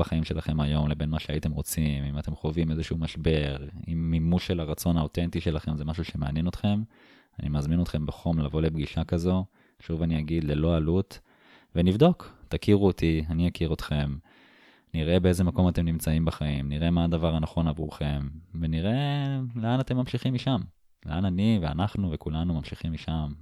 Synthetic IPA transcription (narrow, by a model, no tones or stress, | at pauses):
baχaimʃe̞laχe̞majo̞mlebe̞nmaʃeaite̞mʁo̞t͡simimat̪e̞mχo̞vime̞zeʃuumaʃbe̞ʁimːimuʃe̞laʁat͡so̞naote̞ntiʃe̞laχe̞mzemaʃuʃe̞mea̰njeno̞t̪χe̞m | anʔimazmino̞t̪χe̞mbaχo̞mlavo̞le̞bɡiʃakazo̞ | ʃuvaniaɡid̪le̞lo̞alut̪ | venivd̪o̞ktakiʁuot̪ianijakiʁo̞t̪χe̞m | niʁe̞bee̞ze̞mako̞mate̞mnimt͡saimbaχaimniʁe̞maːd̪avaʁhanaχo̞navʁṵχe̞mveniʁe̞leanat̪e̞mːamʃiχimiʃam | lḛʔananivea̰naχnuvekulanumamʃiχimiʃam